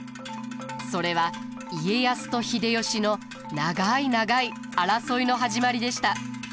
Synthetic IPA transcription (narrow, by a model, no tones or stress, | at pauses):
so̞ɾe̞β̞a | ie̞jasɨ̥t̪o̞çid̪e̞jo̞ɕino̞ | naɡainaɡai | aɾaso̞ino̞ɦaʑimaɾʲid̪e̞ɕi̥t̪a